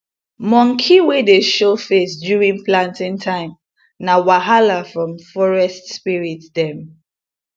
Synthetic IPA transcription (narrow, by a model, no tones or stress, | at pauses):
mɔ̃ŋkʰiwedeʃofesdjuɹĩŋplãntĩŋtʰãɪ̃m | nawaɦalafɹɔ̃mfɔɹɛstspiɹitdɛ̃m